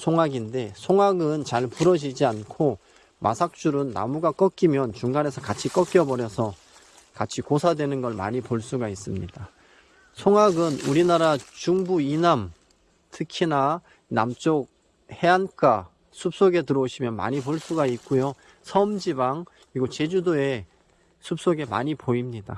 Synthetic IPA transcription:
sʰoŋaɡinde̞sʰoŋaɡɯnt͡ɕaɭpuɾʌd͡ʑid͡ʑiankʰo | mʔa̰sʰak̚t͡ɕ͈uɾɯnːa̰muɡak͈ʌk͈imjʌnt͡ɕuŋɡane̞sʰʌkat͡ɕʰik͈ʌk͈jʌbʌɾjʌsʰʌ | kat͡ɕʰikosʰadwe̞nɯnɡʌɭma̰ɲipoɭs͈uɡais͈ɯmɲida | sʰoŋaɡɯnuɾinaɾat͡ɕuŋbuinam | tʰɯkʰina | na̰mt͡ɕ͈ok̚ | he̞ank͈a | sʰup̚s͈oɡe̞tɯɾʌuɕʰimjʌnma̰ɲipoɭs͈uɡait̚k͈ujo | sʰʌmd͡ʑibaŋ | iɡot͡ɕe̞d͡ʑudoe̞ | sʰup̚s͈oɡe̞ma̰ɲipoimɲida

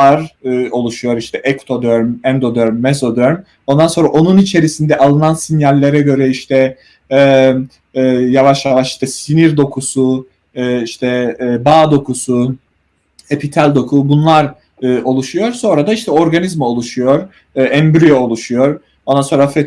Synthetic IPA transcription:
aɾo̞lˠuʃujo̞ɾiʃt̪ʰɛʔɛkt̪ʰod̪øɾmɛnd̪o̞d̪øɾmːɛzo̞d̪øɾm | o̞nd̪anso̞nɾaʔo̞nunit͡ʃʰe̞ɾisind̪ɛʔalˠɯnansinjalʲːe̞ɾɛɟø̞ɾɛiʃt̪ʰɛ | javaʃjavaʃi̥ʃt̪ʰɛsiniɾd̪o̞kʰusu | ɯiʃt̪ʰɛbaːd̪o̞kusu | epʰit̪ʰælʲd̪o̞kʰubunlˠaɾ | ɯo̞lˠuʃujo̞ɾso̞nɾad̪aiʃt̪ʰɛo̞ɾɡanizmaolˠuʃujo̞ɾ | ɛnbɾyjoolˠuʃujo̞ɾ | o̞nd̪anso̞nɾafɛ

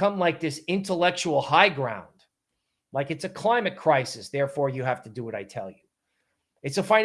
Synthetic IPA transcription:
ʌ̃mlaɪk̚ðɪsɪ̃ntəlɛk̚t͡ʃul̩ˠhaɪɡɹã̰ʊ̃nd̥ | laɪkɨtsɨkʰl̥ãɪ̃mɨt̚kʰɹ̥aɪsɨsðɛɹfɔɹjɨɦæftɨdɨwʌɾaɪtʰɛ̰lˠjʉ | ɨtsəfãɪ̃

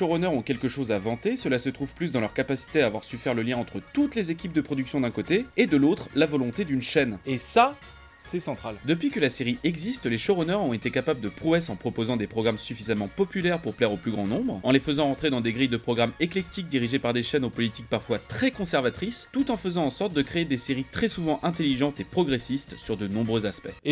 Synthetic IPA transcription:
ʃɔʁɔnœʁɔ̃kʲɛlkəʃozavɑ̃t̪esəlasət̪χuv̥plys̬d̪ɑ̃lœʁkapasi̥t̪eaːvwaʁsyfɛʁləljɛ̃ɑ̃t̪χət̪ut̪lezekʲip̚d̪əpχɔd̪yksjɔ̃d̪ɛ̃kot̪eːd̪əlot̪χlavɔlɔ̃t̪ed̪ynʃɛnesa | sɛsɑ̃t̪χald̪əpɥikəlaseʁiʔɛɡzist̪leʃɔʁɔnœʁɔ̃et̪ekapabləd̪əpχuɛsɑ̃pχɔpozɑ̃d̪epχɔɡʁamsyfizamɑ̃pɔpylɛʁpuʁplɛʁoplyɡʁɑ̃nɔ̃bʁɑ̃lefəzɑ̃ʁɑ̃t̪χed̪ɑ̃d̪eɡʁijd̪əpχɔɡʁameklɛk̚t̪ik̚d̪iʁiʒepaʁd̪eʃɛnopɔlit̪ik̚paʁfwat̪χɛkɔ̃sɛʁvat̪χist̪ut̪ɑ̃fəzɑ̃ɑ̃sɔʁt̪̚d̪əkχeːd̪eseʁit̪χɛsuvɑ̃ʔɛ̃t̪eliʒɑ̃t̪epχɔɡʁesist̪syʁd̪ənɔ̃bʁøzaspɛ

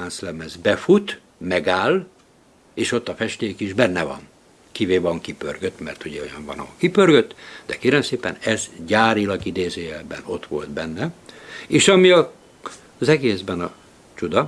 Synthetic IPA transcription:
aːnslɛmɛzbɛfut̪ | mɛɡaːl | eːʃo̞t̪ːɒfɛʃt̪eːkiʒbɛnːɛvɒ̰n | kiveːvɒŋkipø̰rɡøt̪mɛ̰rt̪uɟɛojɒɱvɒ̰nɒ̰ɦolkipørɡøt̪ːd̪ɛkeːɾɛmseːpɛ̰nɛzɟaːɾilɒɡid̪eːzeːɛbɛ̰no̞t̪ʋo̞lt̪bɛnːɛeːʃɒmiɒ | zɛɡeːzbɛnɒ | t͡ʃud̪ɒ

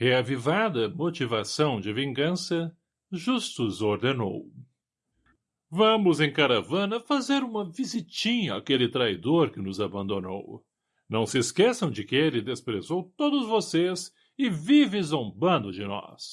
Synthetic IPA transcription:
heavivad̪ɐmot͡ʃivasɐ̃w̃d͡ʒɪvĩŋɡɐ̃sɐ | ʒust̪ʊzoɾd̪eno̰w | vɐ̃mʊzẽj̃kaɾavɐ̃nɐfazeɾũmɐvizit͡ʃĩɲɐakelɪt̪ɾajd̪oɾkɪnʊzabɐ̃nd̪ono̰w | nɐ̃w̃sɪskɛsɐ̃w̃d͡ʒɪkɪelɪd̪espɾezowt̪od̪ʊzvosez | ɪvivɪzãũbɐ̃nd̪ʊd͡ʒɪnɔ̰s

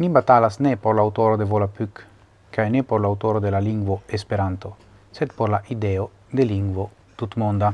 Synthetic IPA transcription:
nimbat̪alasnɛpoɾlawt̪oɾod̪evolapykː | aɛnɛpoɾlawt̪oːɾod̪elaliŋɡwoespeɾant̪o | set̪poɾlaʔid̪ɛːo | d̪eliŋɡwo | t̪ut̪mond̪a

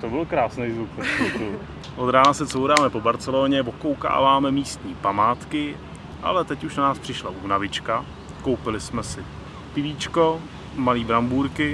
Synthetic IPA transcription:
t̪obɪlkɾaːsnɛjzvukot̪u | ʔod̪ɾaːnasɛsowɾaːmɛpo̞baɾt͡sɛloːɲɛvokowka̰ːvaːmɛmiːst̪ɲiːpamaːt̪kɪ | ʔa̰lɛt̪ɛcuʃnanaːspr̥ɪʃlaʔuːnavɪt͡ʃka | kowpɪlɪsmɛsɪ | pɪviːt͡ʃko̞ | maliːbɾambuːɾkɪ

